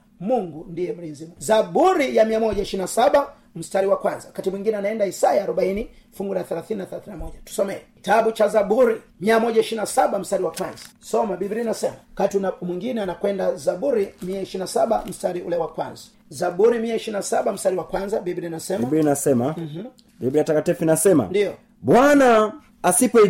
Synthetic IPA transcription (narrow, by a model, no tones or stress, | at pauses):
muŋɡundijɛmuɾinzimuzaɓuɾijamiamɔʄaiʃiɾinasaɓa | m̩staɾiwakwanzawakatimwiŋɡinɛanaɛndaisajaːɾɔɓainifuŋɡulaθɛlaθininaθɛlaθininamɔʄatu̥sɔmɛɛki̥taɓut͡ʃazaɓuɾi | miamɔʄaiʃiɾinasaɓam̩staɾiwakwanzḁsɔmabibiɾinasɛmawkatiunamwiŋɡinɛanakwɛndazaɓuɾimiaiʃiɾinasaɓam̩staɾiṵlɛwakwa̰nzḁ | zaɓuɾimiaiʃiɾinasaɓam̩staɾiwakwanzaɓibiɾinasɛmabɾinasɛmamh̩ | bibɾijatakatifinasɛma̰ndiɔ | ɓwana | asipɔ